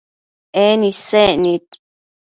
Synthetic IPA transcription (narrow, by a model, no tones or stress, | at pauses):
ʔenĩseʔnĩt̪̚